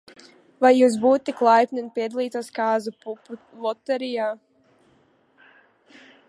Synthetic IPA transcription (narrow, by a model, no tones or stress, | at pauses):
vajːuːs̬buːt̪eklˠajpnʲɛnpʲiɛd̪alˠiːt̪askaːzu | vɔt̪ɛɾijaː